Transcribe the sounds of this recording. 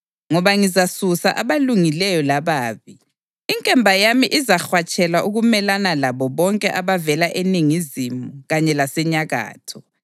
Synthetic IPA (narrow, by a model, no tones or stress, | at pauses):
ŋɔβaŋizasusaʔaβaluŋilɛjɔlaβaːβi | iŋkʼɛmbʱajamiʔizaxwat͡ʃʼɛlaʔuɣumɛlanalaβɔβɔŋkʼɛʔaβavɛlaʔeniŋizimuɣaɲɛlasɛɲaɣa̰ːtʰɔ